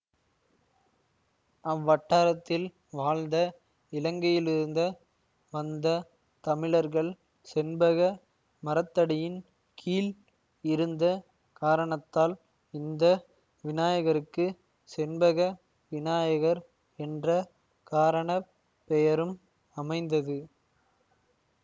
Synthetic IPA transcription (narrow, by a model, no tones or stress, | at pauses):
ɐʋːɐʈːaːɾɐt̪ːɪl | ʋaːlnd̪ɐ | ɪlɐŋɡɐjɪlɪɾɯnd̪ɐ | ʋɐnd̪ɐ | t̪ɐmɪɭɐɾɣɐɭ | sɛnbɐɣɐ | mɐɾɐt̪ːɐɽɐjɪn | kʰiːl | ɪɾɯnd̪ɐ | kaːɾɐɳɐt̪ːaːl | ɪnd̪ɐ | ʋɪnaːjɐɣɐɾɯkːɯ | sɛnbɐɣɐ | ʋɪnaːjɐɣɐɾ | ɛndrɐ | kaːɾɐɳɐ | pːɛjɐɾɯm | ɐmɐɪnd̪ɐðɯ